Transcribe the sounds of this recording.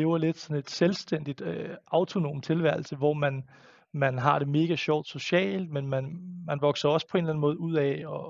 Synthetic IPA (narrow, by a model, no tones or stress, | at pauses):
eːʊɐle̝d̥sɒ̽ne̝d̥selsd̥en̰d̥id̥øɑ̈ʊt͡sʰo̝no̝̰ːmt͡sʰe̝lʋæɐ̰l̩səʋɒmæn | mænɦɑ̈ɾ̥e̝me̝ːɡ̥æɕɒʊ̰d̥so̝ɕɛ̰ːld̥menmænmænʋɒ̽ɡ̥sɐɒ̽spʰɒ̽e̝nlæn̩mɔ̽ːð̞̩ˠuð̰ˠɛɒ̽